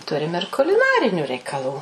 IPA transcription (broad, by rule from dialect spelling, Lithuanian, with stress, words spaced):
ˈtʊrʲɪm ɪr kʊlʲɪˈnɑːrʲɪnʲʊ rʲɛɪkɐˈlˠuː